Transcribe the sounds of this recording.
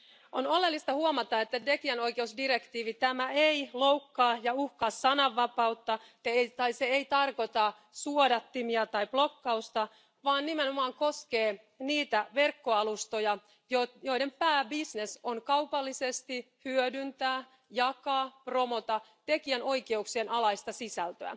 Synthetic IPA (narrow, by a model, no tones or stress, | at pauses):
ʔonolelːist̪ɑhuomɑt̪ɑet̪ːæt̪ekiæno̞ike̞usdiɾekt̪iːʋit̪æmæeiloukːɑːjɑuhkɑːsːɑnɑʋːɑpɑwt̪ːɑ | eejt̪ɑjseeit̪ɑrko̞t̪ɑ | suodɑt̪ːimiɑt̪ɑib̥lokːɑust̪ɑ | ʋɑːnnimeno̞mɑːŋkoskeː | niːt̪æʋe̞rkːoɑlust̪ojɑ | jojoidempæːbisnesonkɑupɑlːisest̪i | hyødynt̪æː | jɑkɑːpromot̪ɑ | t̪ekiæno̞ikeuksienɑlɑist̪ɑsisælt̪øæ̰